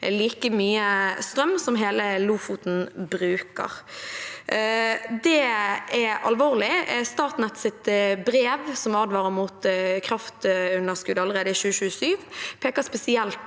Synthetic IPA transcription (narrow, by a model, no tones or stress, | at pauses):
liːkəmyːəst̪ɾʁœmsɔmɦeːləluːfut̪n̩bɾʉːkə̰ʁ | d̪ɛɛɑ̰lʋoːlɪst̪ɑːt̪nɛt̪sɪt̪bɾeːʋsɔmɑːd̪ʋɑːɾəmuːt̪kʰʁɑft̪ʉnːəskʉd̪əɑlːəʁeːd̪əɪʃʉːʃʉːəsyːʋpʰeːkəspɛsɪɛlt̪